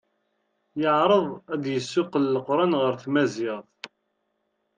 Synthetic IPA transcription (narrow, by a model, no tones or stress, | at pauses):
jəʕɾˤəðˤæd̪jəsːʊqəlːəqɾˤɑnʁəɾθmæzɪʁˤ